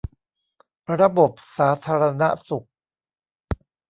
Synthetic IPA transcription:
ɾa˧bo˨˩p̚saː˩˦t̪ʰaː˧ɾa˧na̰˦˥su˨˩k̚

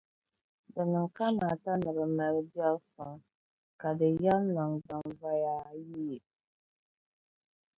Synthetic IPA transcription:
dɨ˨nɨ˨ŋka˦ma˨ta˦nɨ˨bɨ˨mɛ˨ɾbi˦ɔ˦lsɔ˨ŋ | ka˨dɨ˨jɛ˦lna˨ŋza˨ŋva˦jaː˦ji˦˨

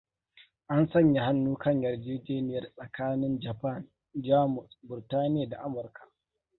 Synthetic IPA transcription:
ʔa˦nsɐ˦˨ɲja˨ha˦nːuː˦kɐ˦˨ɲjɐ˨rd͡ʒiː˦d͡ʒeː˦nɪ˨jɐ˨˦rsʼɐ˨kaː˦nɪ˦nd͡ʒa˨pa˦˨n | d͡ʒaː˦mʊ˨sbʊ˨rtaː˦nɪ˦ja˨da˨ʔa˦mʊ˨rkʰa˨ʔ

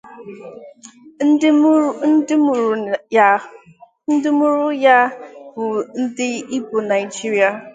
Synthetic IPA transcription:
n̩˦ɪ˦m˨˦ | n̩˦dɪ˦mu˦ɾʊ˦ja˦bʊ˨n̩˦dɪ˦i˦bo˨na˨jd͡ʒi˦ɾi˦a˨

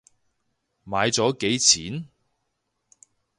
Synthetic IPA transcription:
maː˨˧jt͡sɔː˨˥ke˨˥jt͡sʰiː˨˥n

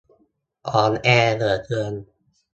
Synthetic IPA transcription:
ʔɔː˨˩nʔɛː˧nɤː˨˩t̪̚ːɯ˧ən

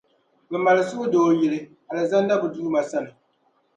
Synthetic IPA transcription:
bɛ˨ma˨lɨ˨sʊ˦ʊ˦doː˨˦˨jɛ˨lɨ˦ | a˨lɨ˨za˦n˦da˦bʊ˨duː˦ma˨sa˦nɨ˨

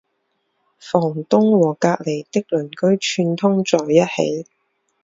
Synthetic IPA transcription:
fɔː˨˩ŋt̪ʊ˥ŋwɔː˨˩kaː˧k̚le˨˩jt̪ɪ˥k̚lɵ˨˩nkɵ˥ɥt͡ʃʰyː˧nt̪ʰʊ˥ŋt͡sɔː˨˩jːɐ˥t̚hḛ˨˥j

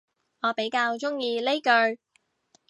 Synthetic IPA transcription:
ŋɔː˨˧pe˨˥jkaː˧wt͡ʃʊ˥ŋjiː˧le˥jkɵ˧ɥ

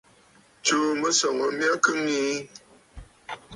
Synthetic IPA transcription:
t͡ʃu˦mə˦sɔ˨ŋə˨mja˦kɨ˦ŋi˦

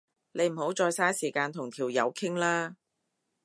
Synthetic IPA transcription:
le˨˧jm̩˨˩ho˨˥wt͡ʃɔː˧jsaː˥jsiː˨˩kaː˧nt̪ʰʊ˨˩ŋt̪ʰiː˨˩wjɐ̰˨˧wkʰɪ˥ŋlaː˥

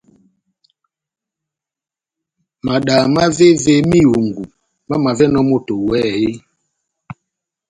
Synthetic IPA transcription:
ma˨ɗa˨ma˦ve˦ve˦˨mi˦jo˨ŋ˨ɡu˨ | ma˦ma˨vɛ˦nɔ˦mo˦˨to˨wɛ˦je˦

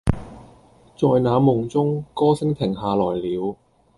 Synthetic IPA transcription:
t͡sɔː˧jnaː˨˧˥mʊ˨˩ŋt͡sʊ˥ŋkɔː˥sɪ˥ŋt̪ʰɪ˨˩ŋɦaː˨lɔː˨˩jliː˨˧w

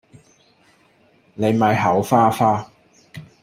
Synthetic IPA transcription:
ne˨˧jmɐ˨˧jɦɐ˨˥wfaː˥faː˥

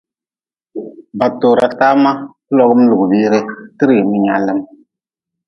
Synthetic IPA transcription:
ba˨toː˨ɾa˨ta˦ma˦ | lɔ˦ɣɨ˦m˦lu˨ɡbiː˦ɾe˦tɨ˦ɾi˨mi˦ɲa˦lːɨ˦m

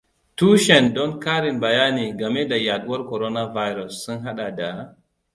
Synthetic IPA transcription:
tuː˦ʃɛ˨ndɔ˦ŋkaː˦ɾi˨nbɐ˨ja˦niː˨ɡa˨me˦da˨ja˨ɗu˦wa˦ɾkɔ˨ɾo˦na˦va˦jɾɔ˨sːu˦nɦa˦ɗa˨da˨˦

